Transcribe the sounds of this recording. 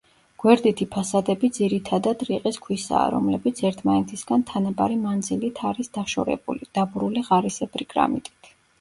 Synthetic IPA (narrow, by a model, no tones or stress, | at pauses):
ɡ̥wɛɾd̪it̪ʰipʰasad̪ɛbid̪ziɾit̪ʰad̪ad̪ɾiqʼiskʰwisa̰ːɾɔ̰mlɛbit̪sʰɛɾt̪ʰmanɛt̪ʰisɡ̥ant̪ʰanabaɾimand̪zilit̪ʰaɾisd̪̥aʃɔ̰ɾɛ̰bṵlid̪̥abɾuliʁaɾisɛbɾiɡʼɾa̰mit̪ʼi̥t̪ʰ